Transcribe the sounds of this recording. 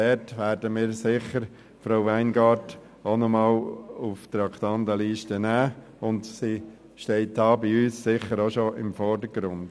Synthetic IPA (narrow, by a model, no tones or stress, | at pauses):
ɛtʋæːɾdəmɪːɾsɪχəɾ | fɾaʊʋæɪnɡɑɾt | onɔmɑːluft̪ɾɑkt̪ɑndəliːʃtənæː | ʊndsi | ʃtɛɪtɑːbɪyːsːɪχəɾoʃoʔɪmfɔɾdəɾɡ̥ɾʊnd̥